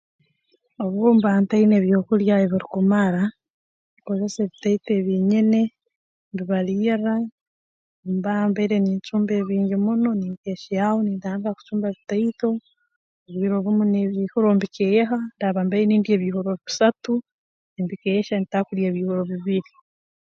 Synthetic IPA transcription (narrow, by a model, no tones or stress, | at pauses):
oβombaːntaineβjo̞kuljaeβiɾikumaɾa | niko̞ze̞seːβitaiteβiːɲine̞ | mbiβaɾiːra | mbambaiɾeniːɲt͡ʃuːmbe̞βiːɲɟimuno̞niːmkeːʃijahonidaːŋɡaku̥t͡ʃuːmbaβitaito̞ | oβiːɾo̞βumuneβiːhoɾoːmbikejeɦandaβaːmbajeniːmdieβiːhoɾoβiβusatu | embikeeʃanitakuɾjeːβiːhoɾoβiβiɾi